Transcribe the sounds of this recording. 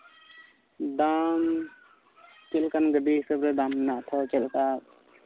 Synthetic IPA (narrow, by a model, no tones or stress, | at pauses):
d̪am | t͡ʃelkanɡəɖisəbɾəd̪amnat̪ʰɔt͡ʃelka